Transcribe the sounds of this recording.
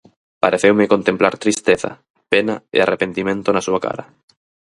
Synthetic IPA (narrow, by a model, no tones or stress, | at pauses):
paɾeθewmekont̪ẽmplaɾt̪ɾist̪eθa̰ | penaḛarʔepent̪imẽnt̪onasuaka̰ɾa